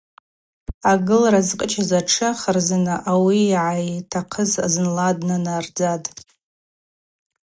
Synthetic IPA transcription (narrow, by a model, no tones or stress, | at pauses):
aɡɨlrazqʼət͡ʃʰazaʈ͡ʂʰɨχərzanɨʔawiːʕajtʰaqʰəza̰zɨnladnanard͡zatʼ